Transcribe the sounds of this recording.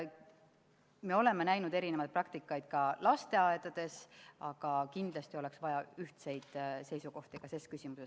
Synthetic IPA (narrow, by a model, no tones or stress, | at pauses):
me̞o̞le̞mːenæjnud̪̥eɾine̞vɑjt̪̚prɑkt̪ikːˑɑjd̪̥̚kɑlɑst̪e̞ɑed̪̥ɑd̪̥e̞sɑɡ̥ɑkind̪̥lɑst̪io̞le̞ksvɑjɑyht̪se̞jd̪̥se̞jsuko̞ht̪ikɑse̞skysʲimuses